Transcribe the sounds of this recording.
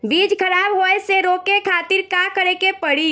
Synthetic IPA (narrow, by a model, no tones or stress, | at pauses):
biːd͡ʒkʰɐɾaːbɦoːeseɾoːkekʰaːt̪ɪɾkakəɾekepɐɽiː